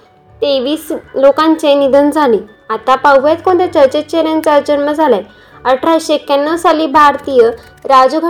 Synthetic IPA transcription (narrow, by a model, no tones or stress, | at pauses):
t̪eʋiːslokãɲt͡ɕenid̪ənd͡zʱalĩ | at̪apawbjat̪kõɳt̪et͡ɕəɾt͡ɕet͡ɕeɾjant͡saɾd͡ʑənməd͡zʱalaj | əʈʰɾaɕekenːəsaliːbʱaɾt̪ijə | ɾad͡zuɡʱ